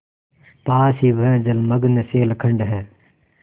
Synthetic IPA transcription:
paːsiːʋʱəə̃ːd͡ʒəlməɡneseːlkʰə̃ɳɖɦɛː

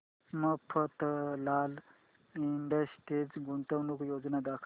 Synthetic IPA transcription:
məpʰət̪lal | iɳɖəsʈed͡zɡuɳt̪əwnukjod͡znad̪akʰ

